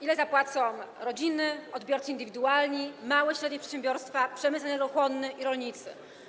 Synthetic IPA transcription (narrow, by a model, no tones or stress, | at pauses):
ilɛzapwat̪sɔ̃w̃ɾɔd͡ʑinɘɔd̪bʲjɔɾt̪ɘind̪ɘvʲid̪ualɲimawɛɕɾɛd̪ɲɛpʂɛt̪ɕẽmbʲjɔɾst̪fapʂɛmɘtsnɛɡɔxwɔnːɘʔiɾɔlɲit̪sɘ̰